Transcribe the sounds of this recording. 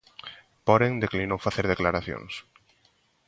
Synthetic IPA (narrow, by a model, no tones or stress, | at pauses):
pɔɾeŋd̪eklinowfaθeɾðeklaɾaθjo̰ŋs